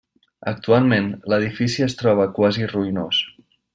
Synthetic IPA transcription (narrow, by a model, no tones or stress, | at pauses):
ə̰k̚t̪ualˠmenləð̞ifisiəst̪ɾɔβ̞əkwaziruinos